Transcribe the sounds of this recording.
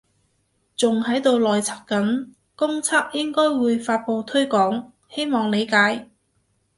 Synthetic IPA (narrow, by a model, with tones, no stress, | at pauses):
t͡sʊ˨ŋhɐ˨˥jt̪o˨˧wlɔː˨jt͡sʰa˨˥p̚kɐ˨˥n | kʊ˥ŋt͡sʰaː˥k̚jɪ˥ŋkɔː˥jwuː˨˧jfaː˧t̚po˧wt̪ʰɵ˥ɥkɔː˨˥ŋ | he˥jmɔː˨ŋle˨˧jkaː˨˥j